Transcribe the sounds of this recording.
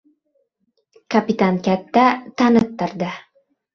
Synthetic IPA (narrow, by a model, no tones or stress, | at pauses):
kapʲit̪ankʲæt̪ːæt̪ʰanɨt̪ːɑɾd̪ɨ